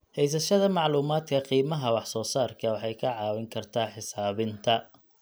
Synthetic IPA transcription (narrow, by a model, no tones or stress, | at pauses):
hɛjs̬ɐʃɐðɐmɑʕluːmaːd̪kʰɐqiːmɐɦɐwɑħsɔːsaːrkʰɐwɑħɑjkʰɐʕɑːwɪŋkʰɐrt̪ʰaːħɪsaːβɪnt̪ʰɐ